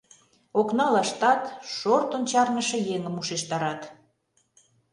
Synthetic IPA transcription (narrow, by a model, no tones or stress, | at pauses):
oknɑlɑʃt̪ɑt̪ʃort̪ont͡ɕɑrnəʃɤ̆jeŋəmuʃeʃt̪ɑɾɑt̪